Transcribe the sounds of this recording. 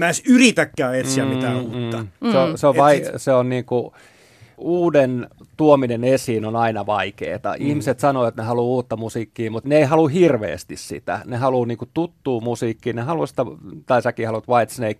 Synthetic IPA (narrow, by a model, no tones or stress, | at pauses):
mæisyrit̪ækːæːet̪siæmit̪æuːt̪ːɑseoseoʋʋɑiseonniːŋku | uːden | t̪uominenesiːnonɑinɑʋɑikḛːt̪ɑ̰ʔihmiset̪sɑnoːot̪nehɑluuːt̪ːɑmusiːkːiːmut̪neeihɑluhirʋḛːst̪issḭt̪æ̰nehɑluːniːŋkut̪ut̪ːuːmusiːkːiːnehɑlusi̥t̪æt̪ɑisɑkiːhɑlut̪ʋɑit̪sneik